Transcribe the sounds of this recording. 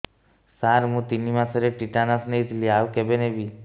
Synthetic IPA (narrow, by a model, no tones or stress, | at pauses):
saɾmũt̪inimãsəɾeʈiʈanasneit̪ʰliaʋkebenebi